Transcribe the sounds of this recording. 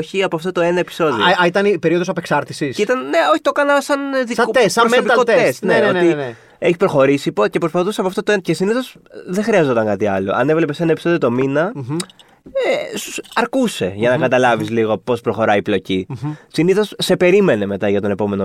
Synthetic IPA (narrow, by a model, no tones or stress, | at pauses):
oçiɐpoɐft̪ot̪oe̞nɐepi̥so̞ðioit̪ɐnpe̞ɾio̞ðosɐpeksɐɾt̪isisit̪ɐnneoçit̪okɐnɐsɐnðisesɐɾopikot̪esneoin | eçi̥pɾo̞xo̞ɾisipoce̞pɾo̞spɐθuseɐpoɐft̪ot̪oence̞siniθo̞sðexɾiɐzo̞t̪ɐŋkɐt̪iɐlo̞̰ʔɐ̰ne̞vle̞pesnɐepi̥so̞ðiot̪o̞minɐ | esu̥sɐɾkuse̞̰ʝɐnɐkɐt̪ɐlɐvizliɣo̞po̞spɾo̞xo̞ɾɐiplo̞cisiniθo̞sːe̞pe̞ɾime̞ne̞me̞t̪ɐʝɐt̪o̞ne̞po̞me̞no